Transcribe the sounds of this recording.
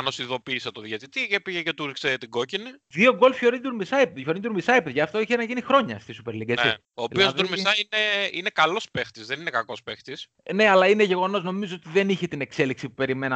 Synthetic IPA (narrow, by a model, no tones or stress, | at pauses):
ɐnosiðo̞piːset̪oðʝet̪it̪icepiʝece̞t̪uɾkset̪iɡociniðio̞ɡo̞lfço̞ɾind̪uɾmisɐjpeðço̞ɾind̪uɾmisɐipeðʝɐːft̪o̞içenɐʝinixɾo̞ɲɐst̪isupe̞ɾliɡet͡si | oːiossuɾmisɐineine̞kɐlo̞spext̪izðeninekɐko̞spext̪is | ne̞ɐlɐineʝe̞ɣo̞no̞zno̞mizoot̪iðe̞niçet̪ine̞kse̞liksipupe̞ɾime̞nɐ